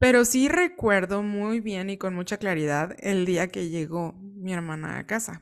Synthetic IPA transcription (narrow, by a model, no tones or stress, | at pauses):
pe̞ɾo̞sire̞kwe̞ɾðo̞mujβje̞niko̞nmut͡ʃaklaɾiðaðeld̪iake̞ʝe̞ɣomie̞ɾmãna̰ːkasa